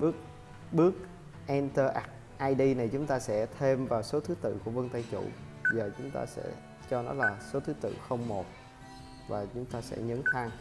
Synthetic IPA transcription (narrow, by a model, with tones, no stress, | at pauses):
ɓɨ˦˥ək̚ | ɓɨ˦˥ək̚ | ʔɛ˧nt̪əː˧ʔa˦˥k̚ | ʔaː˧jɗi˧na˨˩jt͡ɕʊ˨˦ŋ͡mt̪aː˧sɛ̰˧˥t̪ʰe˧mvaː˨˩wso˨˦t̪ʰɨ˨˦t̪ɨ̰˧˨ku˧˩əvə˧ŋt̪a˧jt͡ɕṵ˧˨ | zəː˨˩t͡ɕʊ˨˦ŋ͡mt̪a̰ː˧sɛ̰˧˥ | t͡ɕɔ˧nɔ˨˦laː˨˩so˨˦t̪ʰɨ˨˦t̪ɨ̰˧˨xə˧wŋ͡mmo˨˩t̚ | vaː˨˩t͡ɕʊ˨˦ŋ͡mt̪aː˧sɛ̰˧˥ɲə̰˧˥nt̪ʰaː˧ŋ